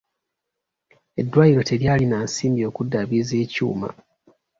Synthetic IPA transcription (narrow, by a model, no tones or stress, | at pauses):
e̞dːwaːjiɾo̞tʰe̞ljaːlinaːnsiːmbio̞ːkudːaβize̞ːcṵːma̰